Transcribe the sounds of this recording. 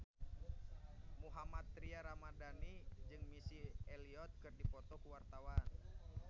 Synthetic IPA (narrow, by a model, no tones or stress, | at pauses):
muɦamat̪ːɾiaɾamadanid͡ʒɨŋmisiɛliɔt̪̚kɨrdipɔt̪ɔkuwart̪awan